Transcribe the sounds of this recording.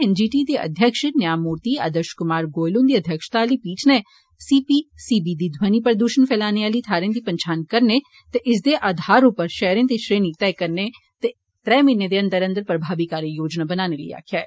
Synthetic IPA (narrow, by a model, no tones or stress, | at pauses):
ɛnd͡ʒiːʈid̪eɐ̰d̪ʱjəkʃnjaːmuːɾt̪iɐ̰d̪əɾʃkʊmaːɾɡoːjlõːnd̪iːɐd̪ʱjəkʃt̪aːlipiːt͡ʃne | siːpisiːbid̪id̪ʱwənipɾd̪uːʃənfʰɛːlaːneaːlit̪ʰaːɾẽnd̪ipɐ̃ɲt͡ʃʰaːnkɐɾne | t̪eʔɪs̬d̪eʔaːd̪ʱaːɾõpəɾʃɛːɾẽnd̪iʃɾeːnit̪ɛːkɐɾne | t̪e | t̪ɾɛːmɪned̪eɐ̃nd̪əɾɐ̃nd̪əɾpɾɐbʱaːʋikaːɾjəjoːd͡ʒnabɐnaːnelḭja̰ːkʰjaː